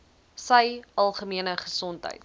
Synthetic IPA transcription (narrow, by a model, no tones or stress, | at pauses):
səjʔɐlˠχəmiənəχəsɔntɦə̰jt